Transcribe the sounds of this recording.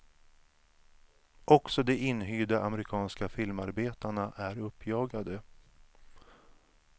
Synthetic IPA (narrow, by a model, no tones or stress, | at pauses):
ʔɔksɔd̪ɛɪnːɦyːd̪aʔamɛɾɪkʰɑːnskafɪlmaɾbeːt̪aɳaʔæɾɵpʰːjɑːɡad̪ə